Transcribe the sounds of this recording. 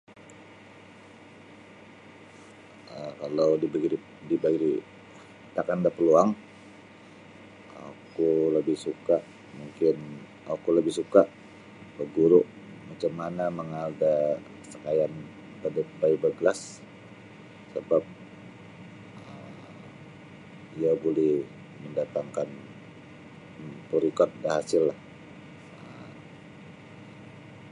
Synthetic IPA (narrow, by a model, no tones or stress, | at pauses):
əkalawdibɡii | dibaɡidi | t̪akandapəluaŋ | a̰kuləbɪhsukaʔ | muŋkɪn | akuləbɪhsukaʔ | bəɡuɾʊʔ | mat͡ʃamːanaməŋada | səkajan | bədəbaibəɡəlas | əbap̚ | əm | iabolɛh | məndat̪aŋkan | puɾikɔt̪̚bərhasɪlːah | əm